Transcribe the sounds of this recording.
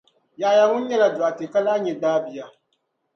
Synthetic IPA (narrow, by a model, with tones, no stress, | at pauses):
jaː˨ja˨ŋʊ˦n̩˦ɲɛ˦la˨dʊ˨a˨te˨ka˦laː˦ɲɛ˨daː˦bi˨ja˨